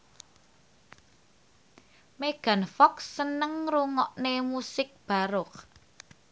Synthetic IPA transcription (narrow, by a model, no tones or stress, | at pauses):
meɡ̥ä̤nfɔksːənəŋruŋɔʔnemusɪk̚b̥a̤ɾʊk̚